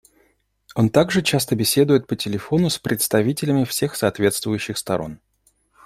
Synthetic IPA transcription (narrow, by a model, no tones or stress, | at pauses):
o̞nt̪aɡʐɨt͡ɕast̪əbʲɪsʲe̞d̪ʊjɪt̪̚pətʲɪlʲɪfo̞nʊspɾʲɪt̪st̪ɐvʲitʲɪlʲɪmʲɪfsʲe̞xsɐːt̪vʲe̞t̪st̪vʊjʉɕːɪxst̪ɐɾo̞̰n